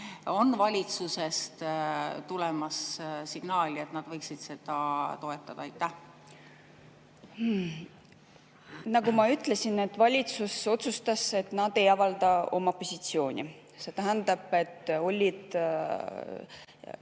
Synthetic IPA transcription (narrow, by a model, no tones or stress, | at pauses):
o̞nːvɑlʲit̪suse̞st̪t̪ulɛmɑssiɡ̥nɑːlʲiet̪ːnɑd̪̥vɤjksid̪̥se̞d̪̥ɑt̪o̞e̞t̪ːˑɑd̪̥ɑɑjt̪ːˑæh | nɑɡumɑyt̪ːˑle̞sine̞t̪ːˑvɑlʲit̪suso̞t̪sust̪ɑse̞t̪nɑd̪e̞jɑvɑld̪̥ɑo̞mɑpo̞sit̪sio̞ːnʲḭ | se̞t̪æɦænd̪ɑb̥e̞t̪ːo̞lʲːid̪̥